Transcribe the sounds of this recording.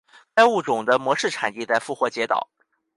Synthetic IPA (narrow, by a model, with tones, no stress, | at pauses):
ka˥ɪu˥˩ʈ͡ʂʊ˨˩ŋd̪ə˦mwɔ˧˥ʂɻ̩˥˩ʈ͡ʂʰa̰˨˩ni˥˧t͡sa˥˧ɪfu˥˧xwɔ˧˥˩t͡ɕjɛ˧˥t̪ɑ̰˨˩˦